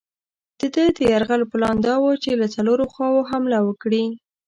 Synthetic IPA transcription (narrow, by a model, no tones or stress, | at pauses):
d̪̥əd̪əd̪əjaɾɣaloplɑnd̪ɑwot͡ʃelat͡saloɾoxwɑwoɦamlawəkɽi